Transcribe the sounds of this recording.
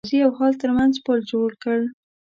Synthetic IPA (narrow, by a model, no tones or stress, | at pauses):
ziawhɑlt̪əɾmanzpəld͡ʒoɽkəɽ